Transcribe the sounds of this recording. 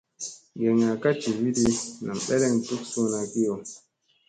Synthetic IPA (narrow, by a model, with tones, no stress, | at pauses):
ɡɛ˨ŋa˨ka˦t͡ʃi˨vi˦di˧˦na˨ŋɓɛ˦lɛ˦˨ŋ˨tu˦k̚so˦na˨ki˦o˨